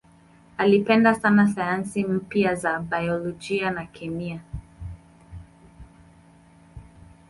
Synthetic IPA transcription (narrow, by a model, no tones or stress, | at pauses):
alipɛndasanasajansim̩pjazabajɔlɔd͡ʒianakʰɛmia